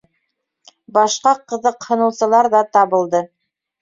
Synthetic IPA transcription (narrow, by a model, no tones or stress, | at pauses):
bɑʃqɑqɤ̆ðɤqhɤ̆nɤ̆wsɤ̆lˠɑɾðɑt̪ɑβɤ̆lˠd̪ɤ